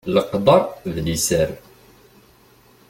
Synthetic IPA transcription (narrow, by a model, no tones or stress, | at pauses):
ləqd̪ɑɾˤðlisəɾ